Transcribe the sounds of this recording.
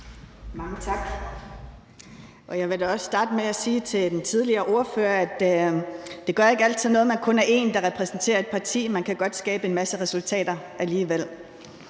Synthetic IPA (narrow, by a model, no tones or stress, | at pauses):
mɑ̈ŋət͡sʰɑ̈ɡ̥ | ʔɒ̽jɑ̈ɪʋe̝d̥æɒ̽ssːd̥ɑ̈ːd̥əmeæsiːt͡sʰe̝ld̥ent͡sʰið̞ˠliɐːʔo̝ɐføːɐæd̥ː | e̝ɡ̥ɶɐe̝ɡ̥æl̰dt͡sʰiðˠnɔ̽ːð̩ˠmænkʰɔ̽næɐe̝ːnd̥ɑ̈ʁɛpʰʁɛsn̩t͡sʰe̝̰ːɐe̝d̥̚pʰɑ̈t͡sʰḭːmænkʰæɡ̥ɒ̽d̥sɡ̥ɛ̰ːb̥əe̝nmæsəʁɛsult͡sʰɛ̰ːd̥ɐʔæliːʋel̰